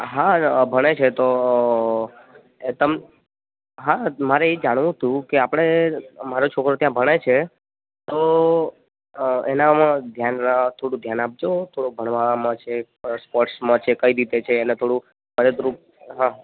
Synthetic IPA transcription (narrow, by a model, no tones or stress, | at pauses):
ɦabʱəɽ̃et͡ʃʰet̪o | t̪əm | ɦamaɾeed͡ʒaɽ̃ʋũt̪ũkeapəɽ̃emaɾot͡ʃʰokɾot̪jãbʱəɽ̃et͡ʃʰe | t̪o | enamãd̪ʱjanat̪ʰoɽũd̪ʱjanap̚d͡ʒot̪ʰoɽubʱəɽ̃ʋamãt͡ʃʰe | spɔɾʈsmãt͡ʃʰekəiɾit̪et͡ʃʰeːnet̪ʰoɽũ | pəɾət̪ɾup | ɦã